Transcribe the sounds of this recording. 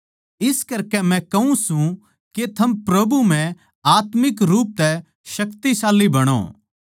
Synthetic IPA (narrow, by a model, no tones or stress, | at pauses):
ɪskɐɾkɛmɛ̃kɐũsũ | ket̪ʰɐmpɾɐbʱum̤ɛ̃ | aːt̪mɪkɾuːp̚t̪ɛ | ʃɐkt̪isaːlːibɐɽ̃o̰ː